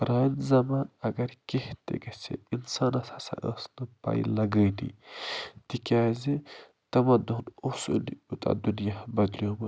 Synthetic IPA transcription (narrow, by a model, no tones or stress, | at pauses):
ɾaːjnzɐmaːnɐɡɐɾkeht̪ḛɡɐsḛinsaːnɐsɐsa̰ʔəsnɨpa̰ḭlɐɡənḭ | t̪ikʲaːze | t̪ɐmɐd̪ɐnosoniut̪a̰d̪unjabɐd̪ljoːmɐ